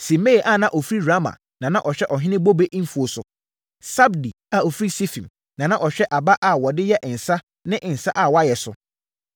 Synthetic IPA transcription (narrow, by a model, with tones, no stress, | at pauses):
sĩ˨me˦˨ʔa˦˨nã˦ʔɔ˨fɾi˦ɾa˦ma̰˨ | nã˨nã˦ʔɔ˨ɕᶣɛ˦ʔɔ˨ɦɪ̃˦nɪ̃˦bo˦be˦ʔm̩˦fu˨o˨sʊ˨ | sa˦bdi˨ | a˨o˨fɾi˦si˦fĩ˨m | nã˨nã˦ʔɔ˨ɕᶣɛ˦ʔa˨ba˦ʔa˨wɔ˨dɪ˦jɛ˦ʔɪ̃˨n̩˨sa˦ | nɪ̃˦ʔɪ̃˨n̩˨sa˦ʔa˨wɔ˨˦a˦jɛ˨sʊ̰˨